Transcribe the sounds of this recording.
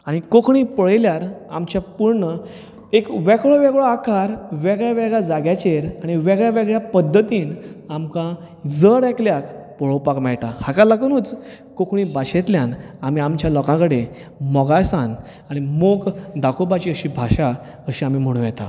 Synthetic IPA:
aɽ̃ikokʰɳiːpəɭljaɾa̰mt͡ɕjapuɾɳə | ekʋɛkɭoʋɛɡɭoakaɾʋɛɡɭjaʋɛɡɭjad͡zaɡjat͡ɕeɾaɽ̃iʋɛɡɭjaʋɛɡɭjapəd̪ʱːət̪iːnamkã | d͡zəɽɛkljakpəɭ̤opakmɛɭʈahakalaknuːt͡s | kokʰɳiːbaɕet̪ljanamiamt͡ɕjalɔkãkəɽemɔɡasãn | aɽ̃imoɡd̪akʰobat͡ɕiːəɕiːbʱaɕa | əɕiamiːm̤əɽ̃ũjɛt̪a̰

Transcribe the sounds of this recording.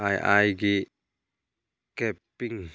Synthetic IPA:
ajʔa̰jɡi | kɛpːiŋ

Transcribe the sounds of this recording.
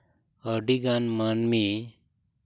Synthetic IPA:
əɖiɡanmanmi

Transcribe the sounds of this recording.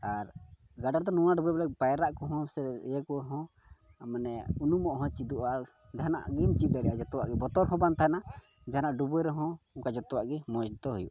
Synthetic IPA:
aɾ | ɡaɖaɾd̪ɔnuwaɖubɛbɛlɛk̚pajɾaʔkɔɦɔ̃sɛjɛkɔɦɔ̃ | manɛunumɔʔɦɔ̃t͡ʃid̪uʔaɾ | d͡ʒaɦana̰ʔɡɛmt͡ʃid̪ɛɖɛjad͡ʒɔt̪ɔwaʔɡɛbɔt̪ɔɾɦɔ̃bant̪aɦana | d͡ʒaɦanaʔɖubɛɾɔɦɔ̃ | ukad͡ʒɔt̪ɔwaʔɡɛmɔd͡ʒt̪ɔɦujṵʔa

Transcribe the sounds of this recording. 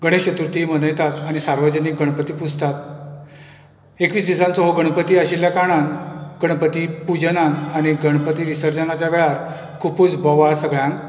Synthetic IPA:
ɡəɽ̃eɕɕət̪uɾt̪imənəjt̪at̪aɽ̃isaɾʋəd͡ʑənik̚ɡəɽ̃pət̪iːpud͡zʱt̪at̪ | ekʋiːsd̪isãnt͡soɦoɡəɽ̃pət̪iːaɕiljakaɽ̃anɡəɳpət̪ipud͡ʑənanaɽ̃iɡəɽpət̪iːʋisəɾd͡ʑənat͡ɕaʋeɭaɾ | kʰupuːt͡sbɔʋaɭsəɡɭjãŋ

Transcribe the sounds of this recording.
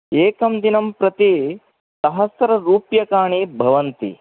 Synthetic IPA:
eːkɐmd̪inɐmpɾɐt̪i | sɐɦɐsɐɾɐɾuːpjɐkaːɳibʱɐʋɐnt̪ḭ

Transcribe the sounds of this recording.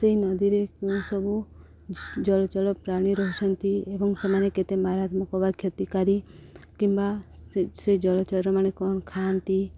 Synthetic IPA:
seɦinɔd̪iɾekuw̃sɔbu | d͡ʒɔlɔt͡ʃɔɭɔpɾaɽ̃iɾɔɦɔt͡ʃʰɔnt̪iebɔŋsemaneket̪emaɾat̪mɔkɔbakʰjɔt̪ikaɾikimbased͡ʒɔlɔt͡ʃɔɾɾɔmanekɔñɔkʰant̪i

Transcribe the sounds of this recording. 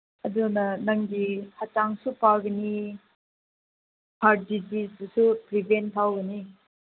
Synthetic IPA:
ɐdunɐnɐŋɡihataŋsupawɡɐni | haɾ̚dizisdusupɾibʱentʰawɡɐni

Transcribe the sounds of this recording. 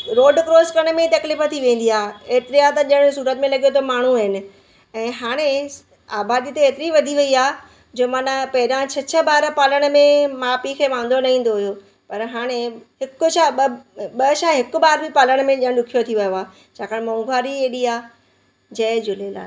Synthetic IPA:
ɾoːɖkɾoːskəɽ̃mẽt̪ɐklifət̪ʰiʋẽːn̆d̪iaːeːt̪ɪɾiaːt̪ɐʄəɽ̃suːɾət̪mẽlɐɠijot̪ʰomaːɳ̤uaɦɪnɪ̆ | ɛ̃ːɦaːɽ̃e | aːbaːd̪it̪eeːt̪ɪɾiʋɐd̪ʱiʋɐiaː | d͡ʑoːmanapɐɦɪɾãt͡ɕʰɐt͡ɕʰə̆baːɾpaːləɽ̃mẽmaːpikʰeːʋãːn̆d̪onɐĩːn̆d̪oɦʊjo | pɐɾɦaːɽ̃eɦɪkʊ̆ʃaɓɐʃaːɦɪkʊbaːɾbɪpaːləɽ̃̆mẽʄə̃ɽ̃ɗʊkʰijot̪ʰiʋɐjoaː | t͡ɕʰaːkʰaɽemɐ̃ŋɡʱaːɾieːɗiaː | d͡ʑɐːd͡ʑʊlela̰ː

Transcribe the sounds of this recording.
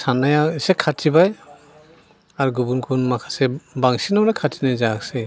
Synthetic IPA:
sanajasekʰaibaj | aɾɡubunkʰunmakʰḁsebaŋsinawɾakʰatinajzakse

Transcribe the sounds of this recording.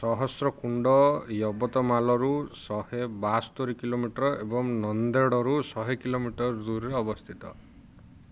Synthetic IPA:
sɔɦɔsɾɔkuɳɖɔjɔbɔt̪ɔmalɔɾusɔhebast̪oɾikilomiʈɾɔʔebɔŋnɔnd̪eɽɔɾusɔɦekilomiʈɔɾd̪uɾɾeɔbɔst̪ʰit̪ɔ̰

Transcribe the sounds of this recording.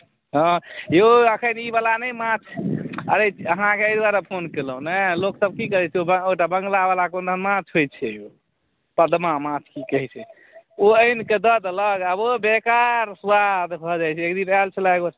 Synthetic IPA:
ɦɔ̃jeəkʰənibalanɛjmãt͡ʃʰə̰ɾeəɦãkeəjd̪waɾepʰonkeləũnɛloksəb̚kikəɾɛt͡ʃʰɛobəoʈabəŋɡlabalakond̪ʱənmãt͡ʃʰɦojt͡ʃʰɛjo | pəd̪mamãt͡ʃʰkikəɦɛt͡ʃʰɛ | oəjnked̪əd̪ləɡabobekaɾsuwad̪bʱɔd͡ʒajt͡ʃʰɛekd̪inalt͡ʃʰəlaɡo

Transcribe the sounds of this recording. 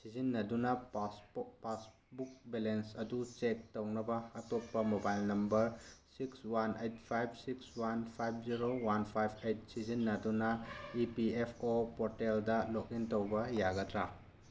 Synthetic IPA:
sizinːɐdunɐspas | buk̚belensɐdut͡ʃek̚townɐbɐːtopːɐmobajlnɐmbɐɾsikswanejtpʰajb̚ʰʱsikswanpʰajb̚ʰziɾowanpʰajbʰejt̚sizinːɐdunɐipiepʰopoɾteldɐlokintowbɐjaɡɐdɾa

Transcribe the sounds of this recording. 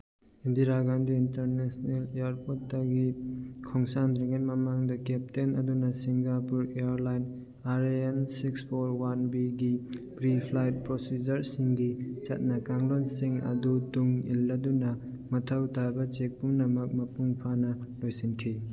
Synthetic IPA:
indiɾaɡandiːntɐɾnesneleaɾpotːɐɡikʰɔŋsandɾiɡenmɐmaŋdɐkep̚tenɐdunɐsiŋɡapuɾeaɾlajn | aɾensikspʰoɾwanbiɡipɾipʰlajt̚pɾosid͡ʒɐɾsiŋɡit͡ʃɐ̰t̚nɐkaŋlonsiŋɐ̰dutuŋilːɐdunɐ | mɐtʰawtabɐt͡ʃek̚puŋnɐmɐk̚mɐpuŋpʰanɐlojsiŋkʰi

